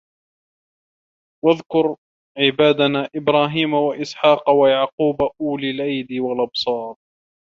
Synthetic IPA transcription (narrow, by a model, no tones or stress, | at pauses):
waðkʊɾ | ʕɪbaːd̪anaːʔɪbɾaːɦiːmawaʔɪsħɑːqwajaʕquːbaʔuːlɪlʔajd̪iwalʔɑbsˤɑːɾˤ